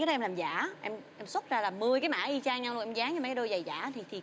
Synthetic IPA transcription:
aː˨˦ɗɔ˨˦˧ɛ˧laː˨˩mza̰ː˧˥ʔɛ˧mʔɛ˧mswə˦˥t̚zaː˧laː˨˩mɨ˧əjkaː˨˦ma̰ː˧˩ʔi˧t͡ɕaː˧ŋɲa˧ŋlnʔɛ˧mzaː˨˦ŋɲɨ˧aː˨˩kaː˨˦ɗo˧jza˨˩jza̰ː˧˩˦t̪ʰi˨˩t̪ʰi˨˩

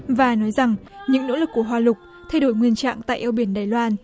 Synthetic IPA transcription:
vaː˨˩nɔ˨˦jza˨˩ŋɲɨ̰˧˥ŋno̰˧˥lɨ˨˩kːu˧˩əɦwaː˨˩lʊ˨˩k͡p̚ | t̪ʰa˧jɗo˧˩˦jŋwi˧ənt͡ɕa̰ː˧˨ŋt̪a̰ː˧˨jʔɛ˧wɓi˧˩ənɗaː˨˩jlwaː˧n

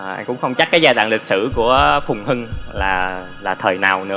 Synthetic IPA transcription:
ʔa̰˧ŋkʊ̰˧˥ŋ͡mxə˧wŋ͡mt͡ɕa˦˥k̚kaː˨˦jzaː˧t̪wa̰ː˧˨ŋli˨˩k̚sɨ̰˧˩ku˧˩əfʊ˨˩ŋ͡mhɨ˧ŋlaː˨˩ | laː˨˩t̪ʰəː˨˩jnaː˨˩wnɨ̰˧˥ə

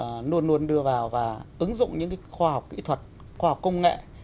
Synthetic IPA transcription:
nu˧ənːu˧ənɗɨ˧əvaː˨˩wvaː˨˩ʔɨ˨˦ŋzʊ̰˧˨ŋ͡mɲɨ̰˧˥ŋka˨˦xwaː˧ha˨˩wk͡p̚ʔḭ˧˥t̪ʰwə˨˩t̚ | xwaː˧ha˨˩k͡p̚kə˧wŋ͡mŋḛ˧˨

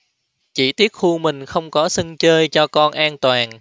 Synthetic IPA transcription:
t͡ɕḭ˧˩t̪i˦˥ət̚xu˧mï˨˩ŋ̟xə˧wŋ͡mkɔ˨˦sə˧ŋt͡ɕəː˧jt͡ɕɔ˧kɔ˧nʔaː˧nt̪waː˨˩n

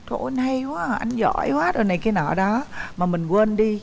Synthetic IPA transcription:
t̪ʰo̰˧˩nhə˧jkwaː˨˦˨ʔa˧ŋzɔ̰˧˩˦jkwaː˨˦ɗo˨˩jna˨˩jkaː˨˦jnɔː˧˩ɗɔ˨˦maː˨˩mï˨˩ŋ̟kwə˧nɗi˧

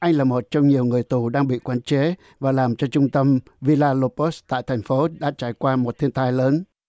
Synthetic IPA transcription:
ʔa˧jŋ̟laː˨˩mo˨˩t̚t͡ɕɔ˧wŋ͡mɲi˨˩əwŋɨ˨˩əjt̪u˨˩ɗaː˧ŋɓḭ˧˨kwaː˨˦nt͡ɕe˨˦ | vaː˨˩laː˨˩mt͡ɕɔ˧t͡ɕʊ˧ŋ͡mt̪ə˧m | vi˧laː˧lo˧po˦˥st̪a̰ː˧˨jt̪ʰɛ˨˩ŋ̟fo˨˦ɗa̰ː˧˥t͡ɕaː˧˩jkwaː˧mo˨˩t̚t̪ʰi˧ənt̪aː˧jləː˨˦n

